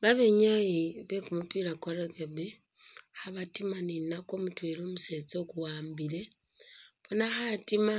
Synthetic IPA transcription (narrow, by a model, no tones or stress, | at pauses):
βaβeɲajiβekumupiɾakoɾekeβe | xaβatimaninakomutweɾomuset͡sokuwaːmbile̞ | βonaxatima